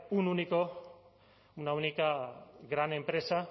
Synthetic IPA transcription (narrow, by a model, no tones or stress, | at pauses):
ununiko | unaunikaɡɾane̞mpɾesa